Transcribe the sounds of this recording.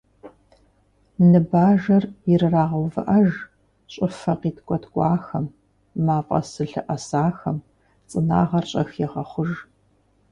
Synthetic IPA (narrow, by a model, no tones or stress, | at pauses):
nɨbaːʒɐrjɪrɨraːʁɐwvɨʔɐʒ | ɕʼɪfɐqiːtʰkʷʼɔtʰkʷʼɑːxɐmː | aːpʼɐ̰sɨɬɨʔɐsaːxɐm | t͡sʼɨna̰ːʁɐrɕʼɐxjɛʁɐχʷʊʒ